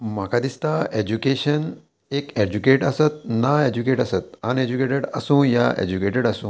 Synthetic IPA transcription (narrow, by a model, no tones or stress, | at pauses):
makʰad̪ist̪aed͡ʑukeːɕən | eːked͡ʑukeːʈəsət̪̚naed͡ʑukeːʈəsət̪̚aned͡ʑukeːʈəɽəsũja̰ʔḛd͡ʑukeːʈəɖəsũ